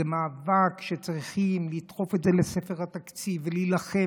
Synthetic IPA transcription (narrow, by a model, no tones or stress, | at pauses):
emaːvakʃet͡sʁiχimlit̪χo̞fet̪zelesefe̞ʁhat̪akt͡sivelilaχe